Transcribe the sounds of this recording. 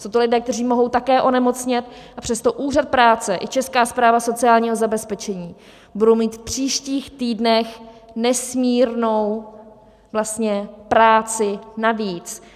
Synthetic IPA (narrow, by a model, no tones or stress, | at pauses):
sowt̪olɪdɛːk̚t̪ɛr̝iːmo̞ɦo̞wt̪akɛːʔo̞nɛmo̞t͡sɲɪt̪̚ʔapr̝̥ɛst̪o̞ʔuːrat̪̚pɾaːt͡sɛʔɪt͡ʃɛskaːspɾaːvaso̞t͡sɪaːlɲiːɦo̞zabɛspɛt͡ʃɛɲiː | budowmiːt̪fpr̝̥iːʃciːxt̪iːdnɛxnɛsmiːɾnow | vlast̪ɲɛpɾaːt͡sɪnaviːt͡s